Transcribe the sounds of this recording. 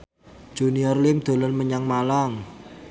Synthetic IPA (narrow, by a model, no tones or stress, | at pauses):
d͡ʒ̥uniɔrlɪmd̪̥o̤lɔnməɲaŋmalaŋ